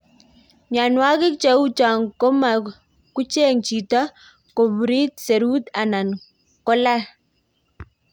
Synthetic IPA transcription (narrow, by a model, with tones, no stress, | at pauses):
ɲa˨nwa˦kɪ˦k̚t͡ʃa˦u˦t͡ʃa˨ŋko˦ma˨ | ku˦t͡ʃe˦ŋt͡ʃi˨ta˦ | ko˨bɾi˦t̪̚se˨ɾu˦t̪a˨na˨n | kɔ˦la˦